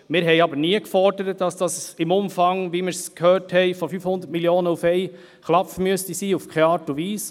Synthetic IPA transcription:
mɪɾɦɛɪɑbəɾniəkfɔɾdəɾətd̥ɑsd̥ɑsɪmʊmfɑŋʋimɪɾskhøːɾthɛɪfɔfyfhʊnd̪əɾtmiljoːnəufɛɪ | χlɑpfmyəstisiːufkχeɑːtuʋiːs

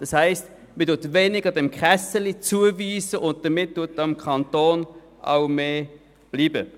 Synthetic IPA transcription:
d̥ɑshɛɪst | mɪdʊtveːnɪɡədɛmkχɛsəlit͡suəviːsəʔʊnt̚d̥əmɪt̚d̥utːɑmkʰχɑntoːn | ʔɑ̰wmeː | b̥liːbə̰

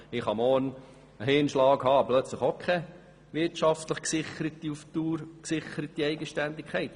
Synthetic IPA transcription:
ɪχhɑmɔːn | əɦɪːnʃlɑːɡɦhɑːplœt͡sləχokʰɛ | ʋɪtʃɑft̪ləχksɪχəɾət̪iuft̪uːɾksɪχəɾət̪iɛɪɡəʃtænd̪ikʰːɛɪt̪

